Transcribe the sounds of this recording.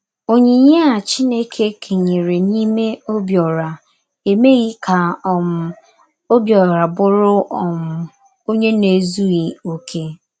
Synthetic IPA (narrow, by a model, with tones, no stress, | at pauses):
o˨ɲe˨ɲe˦a˨t͡ʃi˦ne˦kʰe˦kʰe˨ɲe˨ɾe˨ni˦me˦o˦bjɔ˨ɾa˨ | e˨me˦ɣi˦kʰa˨m˨ | o˦bjɔ˨ɾa˨bʊ˦ɾʊ˦ʔɔ˨m̩˨ | o˦ɲe˦ne˨zu˦ɣi˨o˦kʰe˦